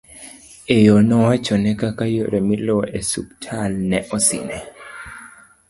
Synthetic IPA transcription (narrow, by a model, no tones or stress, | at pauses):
ejɔnɔwat͡ʃɔnɛkakajoɾɛmilɔʔesuk̚tʰalnɛʔɔsḭnɛ